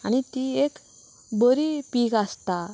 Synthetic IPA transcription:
añit̪iek | bəɾipikast̪a

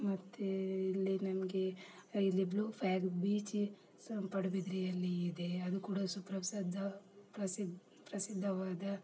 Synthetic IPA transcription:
mɐt̪ːeilːinɐmɐɡe̞ilːibluːpʰaːksbiːt͡ʃi | pɐɽɐbid̪ɾijɐlːiːd̪e̞ɐd̪ukuːɽɐsupɾɐsɐd̪ʱːɐpɾɐsid̪ | pɾɐsid̪ʱːɐʋaːd̪ɐ

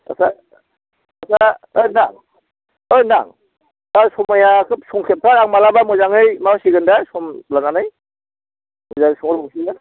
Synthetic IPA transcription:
a̰sa | asaɯjnaŋ | ɯjna̰ŋ | asɔmajakʰɯp̚sɔŋkʰep̚tʰaɾaŋmalabamɔzaŋɯjmawsiɡɯndasɔmlananaj | mɔzaŋsɔŋɯɾbɔŋsia

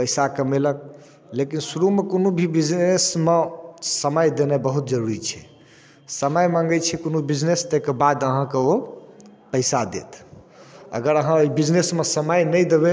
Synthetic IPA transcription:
pəjsakəmelək̚ | lekinsuɾumekonubʱibid͡ʒnesmesəməjd̪enɛbəɦut̪̚d͡ʒəɾuɾit͡ʃʰɛ | səməjmãŋɡət͡ʃʰɛkonubid͡ʒnest̪əkebad̪əɦãkeo | pəjsad̪ḛt̪ʰ | ə̰ɡəɾəɦãoibid͡ʒnesmesəməjnəjd̪ebe

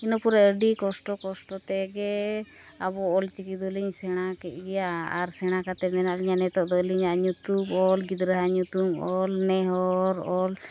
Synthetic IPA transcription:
inɔpuɾɛəɖikɔsʈɔkɔsʈɔt̪ɛɡɛ | abɔɔlt͡ʃikid̪ɔliɲsɛɽ̃akɛc̪̚ˀɡɛjaaɾsɛɽ̃akat̪ɛmɛnaʔliɲanɛt̪ɔʔd̪ɔliɲaʔɲut̪ubɔlɡid̪ɾəɦaɲut̪umɔlnɛɦɔɾɔl

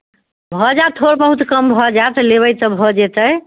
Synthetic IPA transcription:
bʱɔd͡ʒat̪ʰoɾbəɦut̪kəmbʱɔd͡ʒat̪leβəjt̪əbʱɔd͡ʒet̪əj

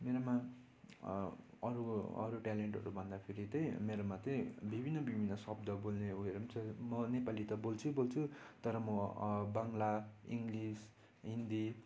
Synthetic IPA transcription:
meɾoma | ʌɾuʌ̰ɾuʈaleɳʈʌ̰ɾubʱʌnd̪apʰiɾit̪ʌj̃meɾomat̪ʌj̃bibʱinːʌbibʱinːʌsʌb̚d̪ʌbolneueɾʌmt͡sʌmʌnepalit̪ʌbolt͡sʰubolt͡sʰut̪ʌɾʌmʌbaŋlaiŋɡlis | ɦind̪i

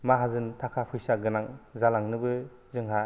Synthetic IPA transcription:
maɦazɯntʰakʰapʰɯjsaɡɯnaŋzalaŋnɯbɯ | zɯŋɦa

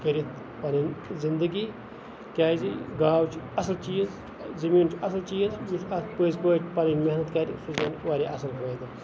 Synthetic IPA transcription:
kɐɾit̪ʰ | paːninzind̪əɡiː | kʲaːjziɡaːwt͡ʃʰɐsɐlt͡ʃiːz | zɐmiːnt͡ʃʰɐsɐlt͡ʃiːzjit͡ʃʰɐpəːzpoːjʈʰpaːniːnmeɦnɐt̪kaːɾʲisuzɐnʋaːɾʲiːʔɐsɐlɦoːjd̪ɨ

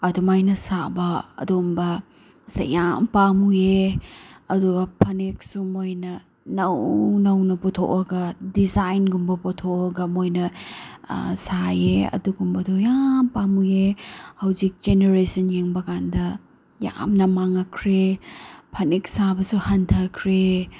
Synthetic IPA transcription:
ɐdumajnɐsabɐɐ̰dumbɐ | sa̰jampamuje | ɐduɡɐpʰɐnek̚sumojnɐ | nɐwnɐwnɐpɔtʰo̰kɐɡɐdizajnɡumbɐpɔtʰokɐɡɐmojnɐ̰ | sajeɐ̰duɡumbɐdojampamujehɐwzik̚d͡ʒeneɾesɐnjeŋbɐkandɐ | ja̰mnɐmaŋɐkʰɾepʰɐnek̚sabɐsuhɐntʰɐkʰɾe

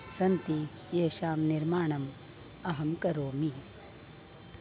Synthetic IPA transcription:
sɐnt̪i | jeːʃaːmnɪɾmaːɳɐm | ɐɦɐmkɐɾoːmi

